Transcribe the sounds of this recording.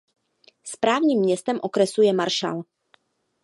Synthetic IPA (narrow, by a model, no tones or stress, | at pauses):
spɾaːvɲiːmːɲɛst̪ɛmʔo̞kɾɛsujɛmaɾʃa̰l